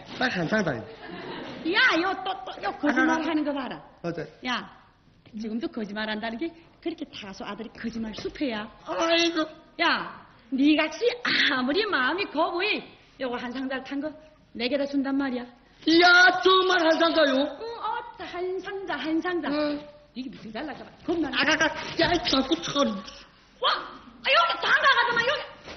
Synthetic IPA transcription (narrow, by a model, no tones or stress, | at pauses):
maɦansʰaŋda̰jo̰ | jajɔtɔtɔjɔkʰɯzimaɾɦanɡɯbaɾaɔzja | t͡siɡɯmdukʰɯzimaɾandanɯɡe | kʰɯɾikʰitʰasɔadɯɾikʰɯzimaɾsupʰejaajzɔja | niɡak̚siamɯɾimamikʰɔbɯi | jaɡɔɦansʰaŋzaltʰaŋɡɯ | leɡedasundamːaɾia | jatɯmaɾɦazazajoɔtʰhajnsaŋzaɦajnsʰaŋza | diɡbitɯzalːaɡabakʰɯmnanaɡakaajtakutʰan | waajɔtʰaŋɡaɡazamajɔ